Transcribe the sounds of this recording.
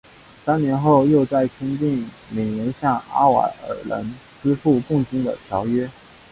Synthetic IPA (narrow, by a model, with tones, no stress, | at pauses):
sa˥nnjɛ˧˥nxo˥˧ʊjo˥˧ʊt͡sa˥˩ɪkʰə˥nt͡ɕi˥˩ŋ | me˨˩njɛ˧˥nɕjɑ˥˩ŋa̰˥wa̰˨˥˩ə̰˨˩lə̰˧˥n | ʈ͡ʂɹ̩˥fu˥˧kʊ˥˩ŋt͡ɕi˥ŋd̪ə̰˨t̪ʰjɑ˧˥ʊɥɛ˥